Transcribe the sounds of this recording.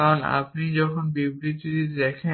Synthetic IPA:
aɹɔna̰pnizɔkʰɔnbibɾit̪itid̪ɛkʰɛ

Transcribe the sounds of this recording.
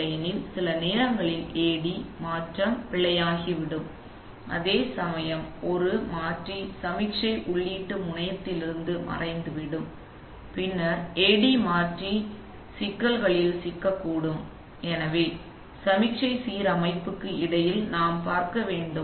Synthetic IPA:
ɐjɐnɪlsɪlɐneːɾɐŋɡɐɭɪleːɽimaːʈrɐmpɪɭːɐjaːɣiʋɪɽɯm | ʔɐ̰ðeːsɐmɐjɐmɔɾɯmaːʈrisɐmɪkʂɐɪʔʊɭːiːʈːɯmʊɳɐjɐt̪ːɪlɪɾɯnd̪ɯmɐ̰rɐɪnd̪ɯʋɪɽɯm | pɪnːɐɾeːɽimaːʈri | sɪkːɐlɣɐɭɪlsɪkːɐkːuːɽɯm | ɛnɐʋeː | sɐmɪkʂɐɪsiːɾɐmɐɪpːɯkːɯɪɽɐjɪlnaːmpaːɾkɐʋeːɳɖɯ

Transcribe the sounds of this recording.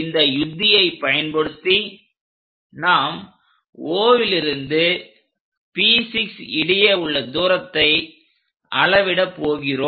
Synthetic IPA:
ɪnd̪ɐjʊd̪ːɪjɐɪpɐjɐnpɐɽɯt̪ːi | naːm | oːʋɪlɪɾɯnd̪ɯ | piːsɪksɪɽɐɪjɐʊɭːɐd̪uːɾɐt̪ːɐɪ | ʔɐɭɐʋɪɽɐpːoːɣɪroː

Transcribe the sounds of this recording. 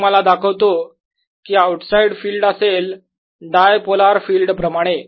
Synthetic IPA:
məlad̪akʰəʋt̪o | kiːawʈsaiɽfiːlɖəsel | ɖajpolaɾfiːlɖpɾəmaɽ̃e

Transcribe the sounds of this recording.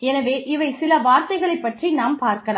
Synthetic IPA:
ɛnɐʋeːʔɪʋɐɪsɪlɐʋaːɾt̪ɐɪɣɐɭɐɪpːɐʈrinaːmpaːɾkɐlaː

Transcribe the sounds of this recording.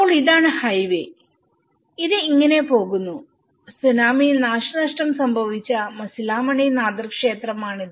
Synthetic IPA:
poːɭiðaːɳɨhɐjʋḛ | iðɨiŋːɐne̞po̞ːɣunːu | sunaːminaːʂɐnɐʂʈɐmsɐmbʱɐʋit͡ɕːɐmɐsilaːmɐɳijnaːd̪ɐrkʂe̞ːt̪rɐmaːɳiðɨ

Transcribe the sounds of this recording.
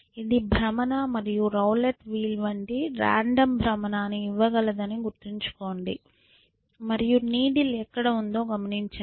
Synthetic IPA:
id̪ibʱɾɐmɐnamɐɾijuɾɐwleʈʋiːlʋɐɳʈiɾa̰ːɳɖɐmbʱɾɐmɐnaːniːʋːɐɡɐlɐd̪ɐniɡuɾt̪iɲt͡ʃu̥ko̞ːɳɖḭ | mɐɾijuniːɽilɛkːɐɽɐund̪o̞ːɡɐmɐniɲt͡ʃɐ

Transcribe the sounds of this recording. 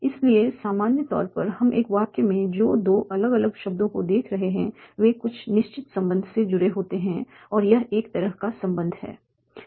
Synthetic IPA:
ɪsliesaːmaːnjət̪ɔ̰ːɾpɐɾhɐmʔḛːkʋaːkemẽd͡ʒoːd̪oːʔɐləɡɐləɡʃɐb̚d̪õkod̪eːkʰɾɐɦeɦɛ̃ʋekʊt͡ʃʰnɪʃt͡ʃɪt̪sɐ̃mbə̃nd̪ʱsed͡ʒʊɾeɦoːt̪eɦɛ̃ | ɔːɾjɐɦeːkt̪ɐɾəɦkasɐ̃mbə̃nd̪ʱɦɛ̰ː

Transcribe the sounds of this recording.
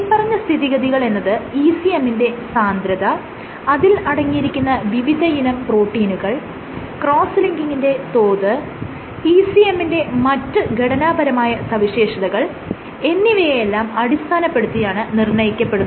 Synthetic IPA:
pːɐrɐɲːɐst̪ʰiðiɣɐðiɣɐɭe̞nːɐðɨiːsie̞mːinde̞saːnd̪ɾɐðɐː | ðilɐɽɐŋːijiɾikʲːunːɐʋiʋid̪ʱɐjinɐmproːʈːiːnuɣɐɭ | kro̞ːsliŋɡiŋːinde̞t̪o̞ːðɨ | iːsiemːinde̞mɐtːɨɡʱeɽɐnaːbɐɾɐmaːjɐsɐʋiɕe̞ːʂɐðɐɣɐɭ | e̞nːiʋɐjelːaːmɐɽist̪ʰaːnɐpːe̞ɽut̪ːijaːɳɨnirɳɐjikʲːɐpːe̞ɽunːɐ

